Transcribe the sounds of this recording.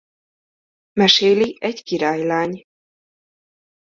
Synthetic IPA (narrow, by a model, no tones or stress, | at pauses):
mɛʃeːliɛɟkiɾaːjlaːɲ